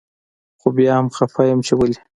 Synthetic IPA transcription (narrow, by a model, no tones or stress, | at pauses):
xobjɑhamxafajamt͡ʃewali